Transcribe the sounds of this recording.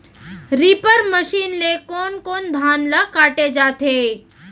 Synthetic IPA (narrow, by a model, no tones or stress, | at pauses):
ɾiːpəɾməʃiːnlekɔːnkoːnd̪ʱaːnləkaːʈed͡ʒaːt̪ʰeː